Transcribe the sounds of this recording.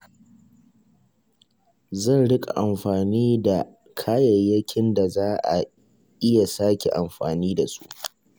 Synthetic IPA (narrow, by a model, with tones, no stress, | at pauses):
zɐ˦˨nɽɪ˦kʼa̰˨ʔa˨mɸaː˨niː˦da˨ | kʰaː˦jɐ˨jːɐ˦kʲɪ˦nda˨zaː˦ʔa̰˨ | ʔɪ˦ja˨saː˦kʲe˨ʔa˨mɸa̰ː˨niː˦da˨su̥˦ʔ